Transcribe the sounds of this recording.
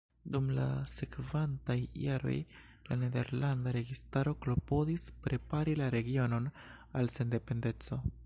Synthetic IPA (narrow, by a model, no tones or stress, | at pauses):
dumla̰se̞kvantajːaɾo̞̰j | la̰ne̞de̞̰ɾlandaɾe̞ɡistaɾo̞klo̞po̞dispɾe̞paɾilaɾe̞ɡio̞no̞n | alse̞nde̞pe̞nde̞t͡so̞